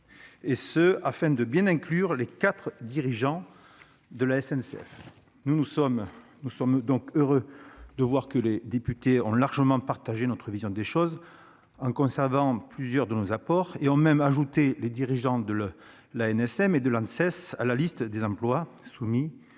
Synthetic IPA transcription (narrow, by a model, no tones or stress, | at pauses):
esəafɛ̃d̪əbjɛ̃nɛ̃klyʁlekat̪χəd̪iʁiʒɑ̃ | d̪əlaɛsɛnsɛ̰f | nunusɔm | nusɔmd̪ɔ̃køʁød̪əvwaʁkəled̪epyt̪eɔ̃laʁʒəmɑ̃paʁt̪aʒenɔt̪χəvizjɔ̃d̪eʃɔz | ɑ̃kɔ̃sɛʁvɑ̃plyzjœʁd̪ənozapɔʁeɔ̃mɛmaʒut̪eled̪iʁiʒɑ̃d̪ə | laɛnɛsɛmed̪əlãnsɛsa̰lalist̪d̪ezɑ̃plwasumi